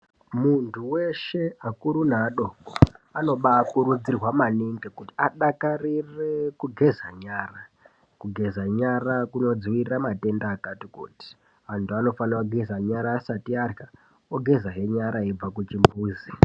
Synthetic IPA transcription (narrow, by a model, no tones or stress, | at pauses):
muntʰuwe̞ʃe̞akuɾunaɗokoano̞ɓakuɾud͡zirwamaniŋɡekutiaɗakarirekuɡʱe̞zaɲaːra | kuɡʱe̞zaɲarakuno̞d͡zwiramate̞ndaːkatikṵti̥ | antʰuano̞fanarwaɡʱezaɲaɾaːsatiarka | oɡʱe̞zaɦe̞ɲaɾaib͡vakut͡ʃimbuːzi